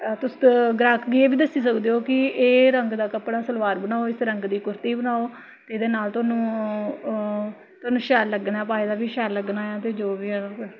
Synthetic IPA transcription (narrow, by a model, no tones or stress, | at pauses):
t̪ʊsɡɾaːkʰɡiːeːʋiːd̪əsːiːsəkd̪eːoːkɪeːɾəŋɡd̪aːkəpɽaːsəlʋaːɾbənaːoːɪsɾəŋɡd̪iːkʊɾt̪iːbənaːoː | t̪eːd̪eːnaːlt̪ʊaːnũː | t̪ʊaːnũːʃɛːlːəɡnaɛːpaːeːd̪aːʋiːʃɛːlːəɡnaːaːt̪eːd͡ʒoːʋiːəɽ